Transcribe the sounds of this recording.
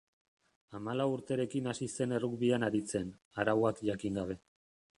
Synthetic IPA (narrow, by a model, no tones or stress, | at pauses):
amalawuɾt̪e̞ɾe̞kinasise̞ne̞rukβianaɾit͡se̞n | aɾawakʝakiŋɡaβ̞e̞